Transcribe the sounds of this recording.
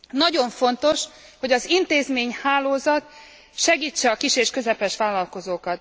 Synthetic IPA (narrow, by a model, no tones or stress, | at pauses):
nɒɟo̞ɱfo̞nt̪o̞ʃ | ho̞ɟɒzint̪eːzmeːɲhaːloːzɒt̪ | ʃɛɡiːt͡ʃːɛɒkiʃeːʃkø̞zɛpɛʃʋaːlːɒlko̞zoːkɒt̪